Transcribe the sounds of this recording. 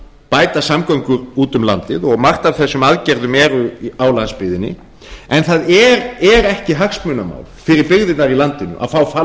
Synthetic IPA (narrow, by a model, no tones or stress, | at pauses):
paːjt̪asamkœŋkʏɾuːt̪ʏmla̰nt̪ɪðɔɣmar̥t̪avθɛsːʏmaðcɛɾðʏmɛɾʏawlanspɪːðɪnːɪ̰ | ɛnθaðɛɾɛɾɛhcɪɦaksmʏːnama̰wlfɪɾɪɾpɪɣðɪnaɾilant̪ɪnʏ̰ʔa̰fawfaː